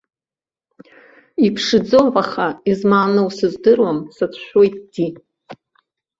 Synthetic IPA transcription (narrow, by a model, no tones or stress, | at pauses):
ipʰʂɨd͡zoʕaχaizmaːnɨwsɨzdɨrwamsat͡sʷʰʃʷᶣojtʼd̥i